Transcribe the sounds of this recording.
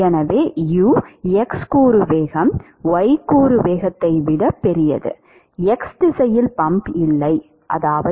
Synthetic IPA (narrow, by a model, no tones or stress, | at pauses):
ɛnɐʋeːjuːɛkskuːɾɯʋeːɣɐm | ʋɐɪkuːɾɯʋeːɣɐt̪ːɐɪʋɪɽɐpːɛɾɪjɐ̰ðɯ̰ | ɛksd̪ɪsɐjɪlpɐmbɪlːɐɪ | ʔɐ̰ðaːʋɐ